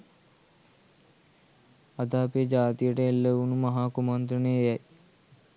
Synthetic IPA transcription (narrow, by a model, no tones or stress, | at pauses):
ad̪aːpijəd͡ʒaːt̪ijəʈəelːeunumɐɦaːkumant̪ɾənejɛj